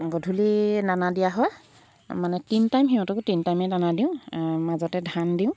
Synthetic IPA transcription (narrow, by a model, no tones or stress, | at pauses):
ɡɔdʱulinanadijaɦɔj | manɛtintajmɦiɦɔ̃tɔkʊtintajmɛnanadiʊ̃mazɔtɛdʱandiʊ̃